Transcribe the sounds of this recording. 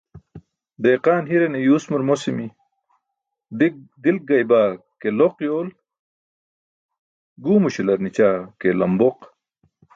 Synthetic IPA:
d̪eːqaːnɦiɾenejuːsmuɾmosimi | d̪il̚ɡɐjbaː | keloqjoːl | ɡuːmuɕilɐɾnit͡ɕaːkelɐmboq

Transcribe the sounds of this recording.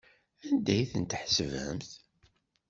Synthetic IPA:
ænd̪æjθənt̪ħsəvhə̰mθ

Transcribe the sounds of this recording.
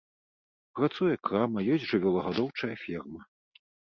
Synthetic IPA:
pɾat̪sujɛkɾamɐjɔsʲʐɨvʲɛlˠɐɣad̪ɔwt͡ʂɐjɐfʲirmɐ

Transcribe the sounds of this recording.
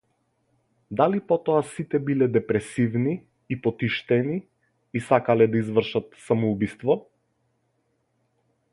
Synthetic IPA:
d̪alipɔt̪ɔasit̪ɛbilɛd̪ɛpɾɛsivniː | pɔt̪iʃt̪ɛniː | sakalɛd̪aizvr̩ʃat̪samɔubist̪vɔ

